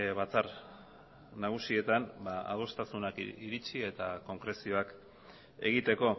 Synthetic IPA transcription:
βat͡sar | naɣ̞usie̞t̪anbaa̰ð̞o̞st̪asunakiɾit͡ʃie̞t̪ako̞ŋkɾe̞sio̞ak | e̞̰ɣ̞it̪e̞ko̞

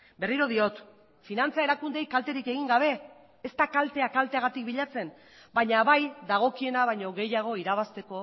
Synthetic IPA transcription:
be̞riɾo̞ð̞io̞t̪ | finant͡sae̞ɾakund̪e̞jkalt̪e̞ɾike̞ɣ̞iŋɡaβ̞e̞ː | st̪akalt̪e̞akalt̪e̞aɣat̪ik̚biʎat͡se̞n | baɲaβajd̪aɣ̞o̞kie̞naβ̞ajɲo̞ɣe̞jaɣ̞o̞iɾaβ̞ast̪e̞ko̞

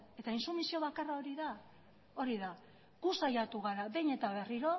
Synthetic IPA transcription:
e̞t̪ainsumisio̞βakarao̞ɾiða | o̞ɾiða | ɡ̥usajat̪uɣaɾaβe̞jɲe̞t̪aβ̞e̞riɾo̞

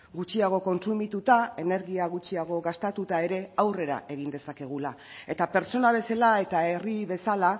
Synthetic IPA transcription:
ɡut͡ʃiaɣ̞o̞ko̞nsumit̪ut̪ae̞ne̞ɾɣiaɣut͡ʃiaɣ̞o̞ɣast̪at̪ut̪ae̞ɾe̞awre̞ɾa̰e̞ɣ̞ind̪e̞sake̞ɣ̞ulae̞t̪ape̞ɾt͡ʃt͡so̞naβ̞e̞salae̞t̪ae̞riβe̞sala

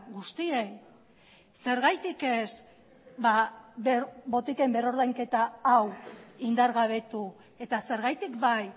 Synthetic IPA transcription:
ɣust̪iej | se̞ɾɣajt̪ike̞s | ba | bo̞t̪ike̞mbe̞ro̞ɾðajŋke̞t̪aːwind̪aɾɣaβe̞t̪u | e̞t̪ase̞ɾɣajt̪ikbaj

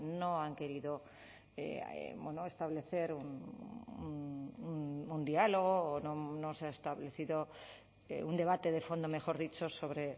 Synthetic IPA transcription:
nõaŋke̞ɾiðo | ḛḛbwenoest̪aβle̞θe̞ɾunun | und̪ialoɣ̞oːnõnoseaest̪aβle̞θiðo | ḛund̪e̞β̞at̪e̞ðefond̪ome̞xo̞ɾðit͡ʃosoβɾe

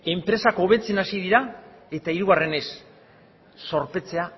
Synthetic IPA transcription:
e̞mpɾe̞sako̞βe̞t͡se̞nasiðiɾae̞t̪aiɾuɣare̞ne̞s | o̞ɾpe̞t͡se̞a

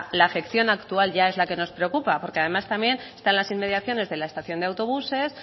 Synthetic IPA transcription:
laːfe̞kθjo̞nakt̪ualʝae̞zlake̞no̞spɾe̞okupapo̞ɾkeað̞e̞mast̪amje̞nst̪anlasinme̞ðjaθjo̞ne̞zðe̞lae̞st̪aθjo̞nd̪eawt̪o̞βuse̞s

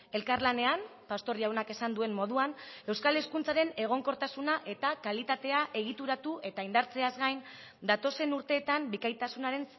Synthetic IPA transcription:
e̞lkaɾlane̞ampast̪o̞ɾiawnake̞sand̪ue̞mmːo̞ðuane̞wskaleskunt͡saɾe̞ne̞ɣ̞o̞ŋko̞ɾt̪asunaʔe̞t̪akalit̪at̪e̞aʔe̞ɣit̪uɾat̪uʔe̞t̪aind̪aɾt͡se̞azɣajn | d̪at̪o̞se̞nuɾt̪e̞ːt̪ambikajt̪asunaɾe̞n

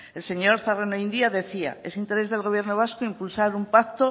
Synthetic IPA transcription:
e̞lse̞ɲo̞ɾθarenoind̪iaðe̞θia̰e̞sint̪e̞ɾe̞zðe̞lɣo̞β̞je̞ɾnoβ̞askoimpulsaɾumpak̚t̪o

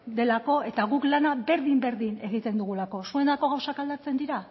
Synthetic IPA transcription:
d̪e̞lako̞e̞t̪aɣuklanabe̞ɾðimbe̞ɾðine̞ɣ̞it̪e̞nd̪uɣ̞ulako̞sue̞nd̪ako̞ɣ̞awsakald̪at͡se̞nd̪iɾa

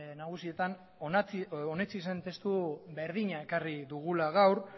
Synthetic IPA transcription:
naɣ̞usie̞t̪an | ot͡sone̞t͡sise̞nt̪e̞st̪uβe̞ɾð̞iɲae̞kariðuɣ̞ulaɣ̞awɾ

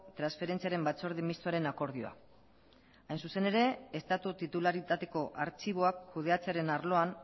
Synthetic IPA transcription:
t̪ɾansfe̞ɾe̞nt͡siaɾe̞mbat͡so̞ɾðimist̪oaɾe̞nako̞ɾðio̞a̰ | ajnsuse̞ne̞ɾe̞est̪at̪ut̪it̪ulaɾit̪at̪e̞ko̞ʔaɾt͡ʃiβ̞o̞akʰːuð̞e̞at͡se̞aɾe̞naɾlo̞an

